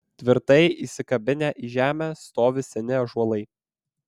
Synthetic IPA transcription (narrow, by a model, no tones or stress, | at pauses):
t̪ʲʋʲɪɾt̪ɐɪʔiːˑsʲɪkɐbʲɪnʲæʔiːʒʲæːmʲæst̪oːʋʲɪsʲɛnʲɪɐʒuɔlˠɐɪ